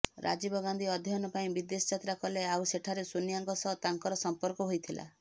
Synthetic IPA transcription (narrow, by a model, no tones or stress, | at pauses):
ɾʔa̰d͡ʒibɔɡand̪iɔd̪ʱjɦɔnɔpaĩbid̪esɔt͡ʃat̪ɾakɔleawseʈʰaɾesunijaŋkɔsɔt̪aŋkɔɾɔsɔmpɔɾkɔɦojt̪ʰila̰